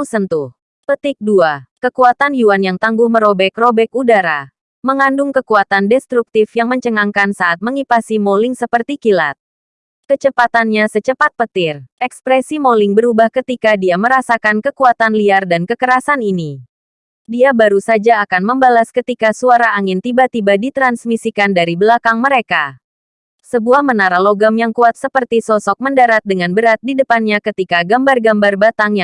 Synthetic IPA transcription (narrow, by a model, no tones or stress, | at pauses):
sənt̪u | pət̪ɪk̚duakəkuat̪anjuanjaŋt̪aŋɡʊhməɾobɛkrobɛkudaɾa | məŋandʊŋkəkuat̪andɛst̪ɾuk̚t̪ɪfjaŋməɲt͡ʃəŋaŋkansaat̪̚məŋipasimolɪŋsəpərt̪ikila̰t̪̚ | kət͡ʃəpat̪anɲasət͡ʃəpat̪̚pət̪ɪrɛkspɾɛsimolɪŋbəɾubahkət̪ikadiaməɾasakankəkuat̪anliardankəkəɾasanini | diabaɾusad͡ʒaːkanməmbalaskət̪ikasuaɾaːŋɪnt̪ibat̪ibadit̪ɾansmisikandaɾibəlakaŋməɾeka | səbuahmənaɾaloɡamjaŋkuat̪̚səpərt̪isɔsɔk̚məndaɾat̪̚dəŋanbəɾat̪̚didəpanɲakət̪ikaɡambarɡambarbat̪aŋja